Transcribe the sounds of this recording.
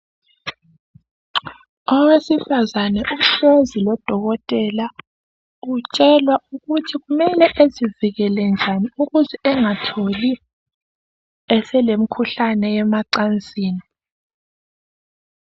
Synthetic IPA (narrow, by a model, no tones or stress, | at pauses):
ɔwesifazanɛʔuɬozilɔd̥ʱɔɣɔtʼɛla | ɣut͡ʃʼɛlwauɣutʰiɣumɛlɛʔeziviɣɛlɛnd͡ʒʱaniuɣuzɛʔɛŋatʰoli | ɛsɛlem̩kʰuɬanɛɛmaǀant͡sʼiːni